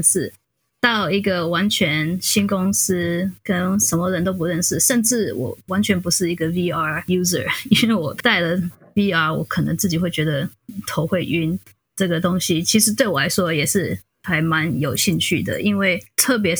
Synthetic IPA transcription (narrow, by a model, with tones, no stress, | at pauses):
nʂɻ̩˥˩ | t̪ɑ˥˩ʊi˧˥ɡə˨wa˧˥nt͡ɕʰɥɛ˧˦nɕi˥nkʊ˥ŋs̩˥kə˥nʂə˧˥nmə˧ɻə˧˦nt̪o˥ʊp̬u˧˥ɻə˥˧nʂɻ̩˥˩ʂə˥˧nʈ͡ʂɻ̩˥˩wɔ̰˨˩wa˧˦˥nt͡ɕʰɥɛ˧˥npu˧˥ʂɻ̩˥˩i˧˥ɡə˧vi˥ɑ˥ju˥zə̰˨˩i˥nwe˥˩ɪwɔ˨˩t̪a˥˩ɪlə˩ | vi˥ɑ˥˩wɔ̰˨˧˥kʰə˨˩nə̰˧˦ŋt͡sɹ̩˥˩t͡ɕi˨˩xwe˥˩ɪt͡ɕɥɛ˧˥d̪ə˧t̪ʰo˧˥ʊxwe˥˩ɪʔy˥n | ʈ͡ʂɤ˥˩ɡə˩t̪ʊ˥ŋɕi˦t͡ɕʰi˧˥ʂ̬ɻ̩˧˥t̪we˥˩ɪwɔ˨˩la˧˥ɪʂwɔ˥jɛ˨˩ʂɻ̩˥˩ | t̪ʰa˧˥ɪma˧˦njo˨˩ʊɕi˥˧ŋt͡ɕʰy̰˥˩d̪ə̰˩ʔi˥nwe˥˩ɪt̪ʰɤ˥˩p̬jɛ˧˥